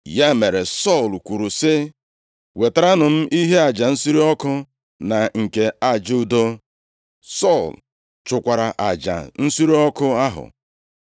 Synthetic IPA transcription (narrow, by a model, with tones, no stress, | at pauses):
ja˦me˨ɾe˨sɔ˦˨lkʷu˨ɾu˨sɪ˦ | we˨ta˨ɾa˦nʊ˨m̩˦ʔi˦ɦe˦a˨d͡ʒa˨n̩˦si˦ɾi˦ɔ˦kʊ˦ | na˨ŋ̩˨ke˨a˨d͡ʒu˦u˨do˦ | sɔ˦˨l | t͡ʃʊ˨kʷa˨ɾa˨ʔa˨d͡ʒa̰˨n̩˦si˦ɾi˦ɔ˦kʊ˦a˦ɦʊ̰˨